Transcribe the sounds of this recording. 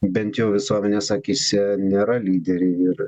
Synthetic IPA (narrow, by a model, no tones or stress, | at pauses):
bʲɛnʲt̪jɛʊʋʲɪsuɔmʲɛnʲeːsɑːkʲiːsʲɪnʲeːɾɐlʲiːd̪ʲɛɾʲeɪɾ